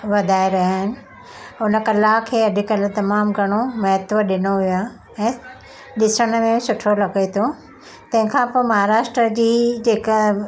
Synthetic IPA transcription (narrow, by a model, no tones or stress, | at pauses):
ʋɐd̪ʱaːeɾɐɦaːɦɪnɪ̆ | ʊnə̆kɐlakʰeːɐd̪ʱɪkɐlt̪ɐmaːmɡʱɐɽ̃omɐɦɪt̪ʋəɗɪnoʋijaː | ɛ̃ː | ɗɪsəɽ̃ə̆mẽsʊʈʰolɐɡet̪ʰo | t̪ɐ̃ɦɪ̃kʰãpoːmɐɦaːɾaːʃʈɾəd͡ʑiːd͡ʑeːkə